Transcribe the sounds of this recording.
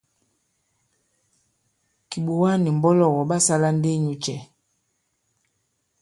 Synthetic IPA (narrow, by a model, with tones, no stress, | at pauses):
ki˨ɓo˨wa˦ni˨m̩˨bɔ˦lɔ˨wɔ˨ɓa˦sa˦la˦n˦de˦˨ɲu˨t͡ʃɛ˨